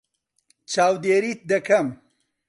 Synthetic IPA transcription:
t͡ʃaːwd̪eːɾit̪̚d̪ɐkɐm

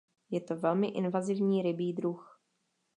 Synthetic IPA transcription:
jɛt̪ovɛlmɪʔɪnvazɪvɲiːɾɪbiːd̪ɾux

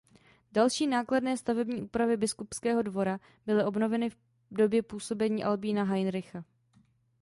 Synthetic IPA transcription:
dalʃiːnaːkladnɛːst̪avɛbɲiːʔuːpɾavɪbɪskupskɛːɦo̞dvo̞ɾa | b̥ɪlɪʔo̞bno̞vɛnɪf | do̞bjɛpuːso̞bɛɲiːʔalbiːnaɦajnɾɪxa

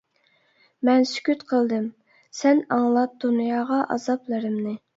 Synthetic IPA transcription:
mɛnsy̥kʲyt̪qʰəlˠd̪ɨm | sɛnɑŋlˠɑt̪̚d̪̥unjɑːʁɑʔɑ̰zɑplˠɨɾɨmnɨ

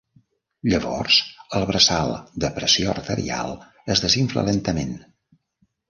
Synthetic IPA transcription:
ʎəβɔrz̥əlˠβɾəsalˠd̪əpɾəsioərt̪əɾḭa̰lˠ | əzðəziɱflə̰lɛnt̪əmen

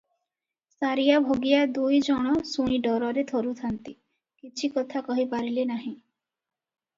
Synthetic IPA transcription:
saɾijabʱoɡijad̪ujd͡ʒɔɽ̃ɔsuɽ̃iɖɔɾɔɾet̪ʰɔɾut̪ʰant̪i | kit͡ʃʰikɔt̪ʰakɔɦipaɾilenaɦĩ

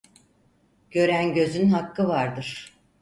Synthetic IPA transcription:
ɟ̥ø̞ɾænɟø̞zynɦakːɯvaɾd̪ɯɾ̥

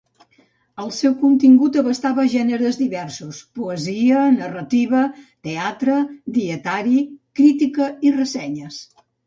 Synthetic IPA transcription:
əlˠsɛwkunt̪iŋɡut̪əβəst̪aβəʒɛnəɾəzd̪iβɛɾsuspuəziənərət̪iβət̪eat̪ɾəd̪iət̪aɾikɾit̪ikəirəsɛɲəs

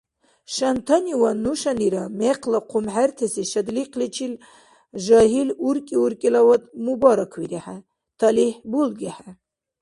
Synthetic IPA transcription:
ʃant̪ʰaniwanuʃaniɾamɛqʰlaqʰumħært̪ʰɛsiʃɐd̪liqʰlit͡ʃʰil | ʒaɦiluɾkʼiuɾkʼilawad̪mubaɾakʰwiɾiħa | t̪ʰaliħbulɡɛħa

